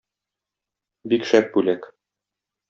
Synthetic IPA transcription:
bikʃæp̚bʉlæk

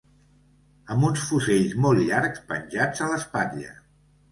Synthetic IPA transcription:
əmbunsfuzeʎzmɔlˠʎaɾkspə̰nʲʒad͡zələspanʎə̰

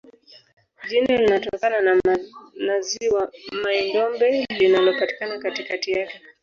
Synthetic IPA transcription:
ʄinalinatɔkanan | naziwamaɛndɔmbɛlinalɔpati̥kanakatikatijakɛ

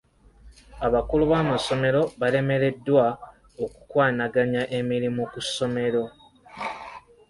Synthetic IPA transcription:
aβakuluβaːmaso̞me̞ɾo̞βale̞me̞ɾe̞dːwa | oku̥kwaːnaɡaɲaʔe̞miɾimukusːo̞me̞ɾo̞

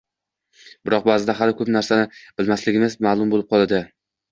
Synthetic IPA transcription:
bɪɾɒq̚baːzɪd̪aɦalɪkʰɵpnaɾsanɪb̥ɪlmaslɪɡʲɪmɪzmaːlˠʊmbolɪp̚qʰɒlˠad̪ɪ

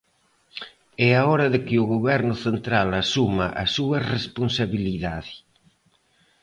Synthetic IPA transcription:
ɛaɔɾɐðɪkɪʊɣoβɛɾnʊθent̪ɾalasumɐʔasuɐresponsaβiliðaðɪ

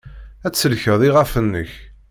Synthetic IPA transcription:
æt͡sːəlçəðˤiʁæfənːəç

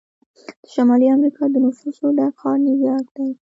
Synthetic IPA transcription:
d̪̥ə̥ʃamɑliamɾikʰɑd̪ənʊfusoɖaxɑɾnɪwjɑt̚d̪̥aj

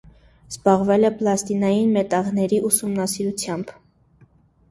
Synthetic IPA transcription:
z̥bɑʁvɛlɛplɑst̪inɑjinmɛt̪ɑʁnɛɾiʔusumnɑsiɾut͡sʰjɑmb

